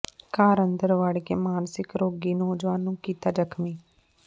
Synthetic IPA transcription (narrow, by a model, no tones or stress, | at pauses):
kaːɾənd̪əɾʋaːɽkeːmaːnsɪkɾoːɡiːnoːd͡ʒʋaːnːũːkiːt̪aːd͡ʒəkʰmiː